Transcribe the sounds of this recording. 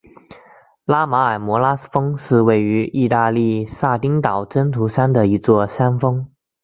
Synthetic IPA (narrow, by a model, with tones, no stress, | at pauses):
la˥ma˧˥a˨˩ɪmwɔ˧˥la˥fɤ˥ŋʂɻ̩˥˧we˥˩ɪy˧˥i˥˧t̪a˥˧li˥˧sa˥˩t̪i˥ŋt̪ɑ˨˩ʊʈ͡ʂə˥nt̪ʰu˧˥ʂa˥nd̪ə˨i˧˥t͡swɔ˥˩sa˥nfɤ˥ŋ